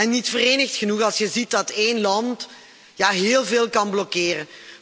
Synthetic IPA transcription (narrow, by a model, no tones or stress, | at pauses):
ɛnːitfəreːnəxtxənuxɑlˠsjəzit̚dɑteːnlɑnt | jaːɦeːlˠveːlˠkɑnblɔkeːrən